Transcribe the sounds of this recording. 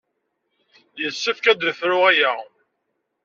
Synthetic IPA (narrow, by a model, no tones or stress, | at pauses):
jəsːəfkæd̪əθɾʊæjæ